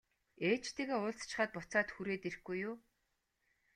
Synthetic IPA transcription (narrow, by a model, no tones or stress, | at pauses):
eːt͡ɕt̪ʰeːɣeːʊːɮt͡st͡ɕɪ̆χaːt̪̚pʊt͡saːt̪xuɾeːt̪er̆xɡujʊː